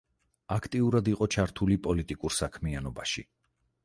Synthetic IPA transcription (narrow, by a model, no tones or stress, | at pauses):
akʰt̪ʼiuɾad̪iqʼɔt͡ʃʰaɾt̪ʰulipʼɔlit̪ʼikʼuɾsakʰmianɔbaʃi